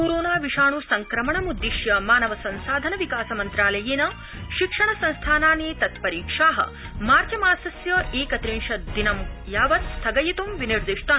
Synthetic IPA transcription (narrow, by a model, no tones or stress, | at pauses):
koːɾoːnaːʋiʂaːɳusɐŋkɾɐmɐɳɐmud̪ːiʃjɐmaːnɐʋɐsɐnsaːd̪ʱɐnɐʋikaːsɐmɐnt̪ɾaːlɐjeːnɐ | ʃikʂɐɳɐsɐ̃nst̪ʰaːnaːneːt̪ɐt̪pɐɾiːkʂaːɦɐ̰ | maːɾd͡ʒɐmaːsɐsjɐʔeːkɐt̪ɾiɳʃɐd̪inɐmjaːʋɐt̪st̪ʰɐɡɐjit̪umʋiniɾd̪iʂt̪ɐ